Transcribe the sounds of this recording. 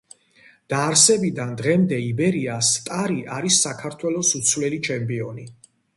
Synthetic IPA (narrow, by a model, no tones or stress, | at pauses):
d̪̥aːɾsɛbid̪and̪ʁɛmd̪ɛibɛɾiast̪ʼaɾiʔaɾisːakʰaɾt̪ʰwɛlˠɔsut̪sʰwlɛlit͡ʃʰɛmpʼiɔni